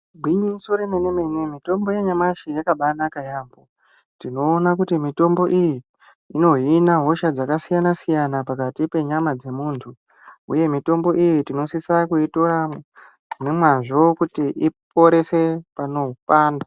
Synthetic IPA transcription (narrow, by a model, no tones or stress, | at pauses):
bʱwiɲisoɾemenemenwemito̞mbo̞jeɲamaʃijakaɓanakajaːmbo | tino̞ːnakutimito̞mbo̞ʔijiː | no̞ɦinaɦo̞ʃad͡zakasijanasijanapakatipe̞ɲamad͡ze̞muːntʰu | ṵje̞mito̞mbo̞ʔijitino̞sisakuitoɾa | nemwaʐo̞kutiʔip̚o̞ɾe̞se̞pano̞paːnda